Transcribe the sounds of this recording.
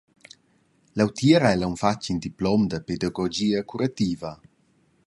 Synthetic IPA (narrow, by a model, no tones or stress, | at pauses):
lawt̪iːɾaɛlauɱfat͡ʃːind̪iplɔmd̪əped̪aɡɔd͡ʒiːakuɾat̪iːva